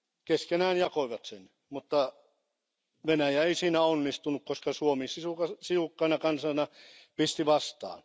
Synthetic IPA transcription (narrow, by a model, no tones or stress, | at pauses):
keskenæːnjɑkoiʋɑt̪sḛn | mut̪ːɑ | ʋenæjæeisiːnæonːist̪unukkoskɑsuomisisukɑsiukːɑinɑkɑnsɑnɑpist̪iʋɑst̪ɑ̰ːn